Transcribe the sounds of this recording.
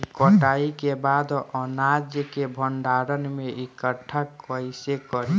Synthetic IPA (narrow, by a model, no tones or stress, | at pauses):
kəʈaikebad̪ɔnad͡ʒjəkebʱəɳɖaɾənmeikəʈʰakəɪsekəɾi